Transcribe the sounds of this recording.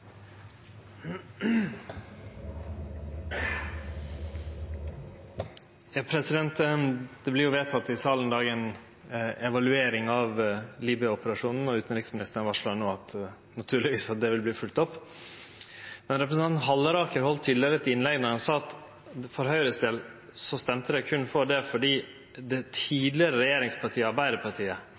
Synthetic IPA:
jɑːpʰɾɛsɪd̪ɛnt̪d̪̥ɛblɪɾjʊʋeːt̪ʰɑt̪ːɪsɑːln̩d̪ɑːɡɛn | ɛʋɑlʉeːɾɪŋɑʋliːbʏəɔpəɾɑʂuːnn̩ɔʉːt̪n̩ɾɪksmɪnɪst̪əɾnʋɑʂlonoːɑt̪ | nɑt̪ʰʉːɭɪʋiːsɑt̪̚d̪ɛʋɪlbliːfʉlt̪ɔpː | mɛnɾɛpɾɛsnʰɑnn̩ɦɑlːəɾɑːkəɾhɔlt̪ʰːiːd̪lɪəɾəɛt̪ɪnlɛɡnɔɾhɑnsɑːɑt̪ | fɔɾɦœʏɾəsd̪eːl | sɔst̪ɛmt̪əd̪ɛkʰʉnfɔɖɛfɔɖiː | d̪ɛt̪ʰiːd̪lɪəɾəɾɛjeːɾɪŋspʰɑʈʰiːəɑɾbæɪd̪əɾpʰɑʈʰiːə

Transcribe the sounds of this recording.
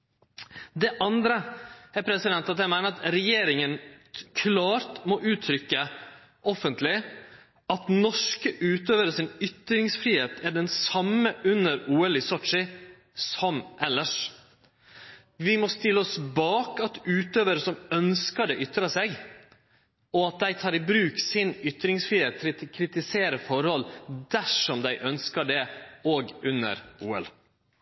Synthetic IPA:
d̪ɛʔɑnd̪ɾəæɾpʰɾɛsɪd̪ɛnt̪ɑt̪ɛmæɪnəɾɑt̪ɾɛjeːɾɪŋənkʰlɑːɾt̪mɔʔʉːt̪ʰɾʏkːə | ʔɔfːənt̪lɪ | ɑt̪nɔʂkəʔʉːt̪øːʋəɾəsɪnʏt̪ɾɪŋsfɾiːheːt̪æɖɛnsɑmːəʔʉnəɾuːɛlɪsɔʈ̪ʂɪ | sɔmʔɛlːəʂ | ʋɪmɔst̪ɪləɔsbɑːkɑt̪ʉːt̪øːʋəɾəsɔmœnskəɖɛʔʏt̪ːɾɑsɛɡ | ɔɑt̪̚d̪æɪt̪ʰɑːɾɪbɾʉːksɪnʏt̪ɾɪŋsfɾiːheːt̪̚ʰɾɪt̪ʰɪlkʰɾɪt̪ɪseːɾəfɔɾhɔld̪æʂɔmd̪æɪʔœnskəɖɛoːɡʉnːə̰ɾuːɛ̰l

